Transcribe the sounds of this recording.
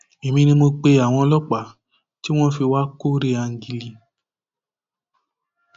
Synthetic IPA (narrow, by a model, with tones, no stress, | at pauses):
e˨mĩ˧nĩ˧mo˧k͡pe˧a˨w̃ɔ̃˧lɔ˦k͡pa˨ | ti˦w̃ɔ̃˦fi˧wa˦ko˦ɾe˦a˧ŋ˦ɡi˧li˧